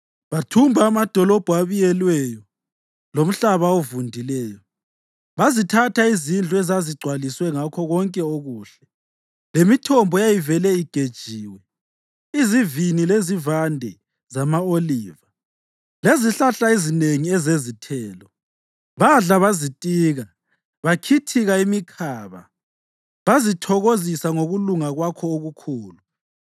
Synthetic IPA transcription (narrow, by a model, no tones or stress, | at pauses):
βatʰumbʱaːmad̥ʱɔlɔb̥ʱuaβijɛlwɛjɔ | lom̩ɬaβaovundʱilɛːjɔ | βazitʰatʰaizind͡ɮʱuɛzaziɡ͡ǀʱwaliswɛŋakʰɔɣɔŋkʼɛoɣuːɬɛ | lemitʰɔmbʱɔjajivɛlɛiɡ̥ʱed̥ʒ̥ʱiːwɛ | izivinilezivandʱɛ | zamaoliːva | leziɬaɬaizineŋiɛzezitʰɛːlɔ | βaɮaβazitʼiːɣa | βakʰitʰiɣaimikʰaːβa̰ | βazitʰɔɣozisaŋoɣuluŋaɣwakʰɔoɣukʰuːlu